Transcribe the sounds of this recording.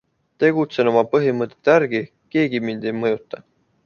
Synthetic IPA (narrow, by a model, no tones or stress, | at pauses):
t̪e̞ɡ̥ut̪se̞no̞mɑpɤɦimɤt̪ːˑe̞t̪ːˑæɾɡ̥i | ke̞ːɡimind̪̥e̞jmɤjut̪ːˑɑ